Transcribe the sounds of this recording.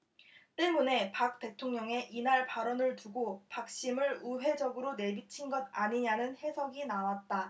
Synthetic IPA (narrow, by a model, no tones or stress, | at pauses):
t͈e̞mune̞pak̚t͈e̞tʰoŋɲʌŋe̞ʔinaɭpaɾʌnɯɭtuɡopak̚ɕ͈imɯɾuɦe̞d͡ʑʌɡɯɾone̞bit͡ɕʰinɡʌdaɲiɲanɯnhe̞sʰʌɡinawat̚t͈a